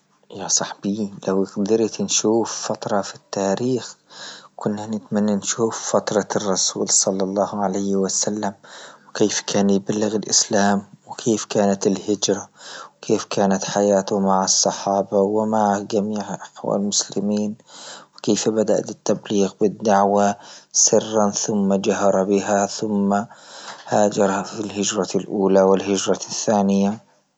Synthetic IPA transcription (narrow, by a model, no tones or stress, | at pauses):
jasˤɑħbilawɣd̪ɪɾt̪nʃuːffat̪ɾˤɑfi̥t̪ːaːɾiːxkʊnːanɪt̪manːanʃuːffat̪ɾˤɑrˤːɑsṵːlsˤɑlːɑlˤːɑːhʕalajhwɪsalːamwkeːfkʰaːnjɪbalːɪɣɪlʔɪ̰slaːmwɪkʰeːfkaːnat̪ɪlhɪd͡ʒɾˤawkʰeːfkʰaːnat̪ħajaːt̪ʊmaʕɑsˤːɑħɑːbawɪmaʕad͡ʒamiːʕʔaħwa̰ːlmʊslɪmiːnwɪkeːfbad̪a̰ʔt̪ɪt̪ːabliːɣbɪd̪ːaʕwasɪrːanθʊmːad͡ʒaɦɑɾˤɑbɪɦaθʊmːahaːd͡ʒɑɾˤhafilɦɪd͡ʒɾˤɑlʔuːlawɪlɦɪd͡ʒɾˤɑθːaːnɪja